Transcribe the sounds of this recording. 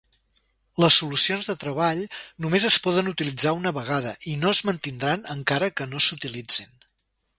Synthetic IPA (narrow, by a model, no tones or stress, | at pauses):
ləsːulusionzðət̪ɾəβ̞aʎnumezəspɔðənut̪ilid͡zaunəβəɣaðəʔinoəzmənt̪ind̪ɾanəŋkaɾəkənosut̪ilid͡zin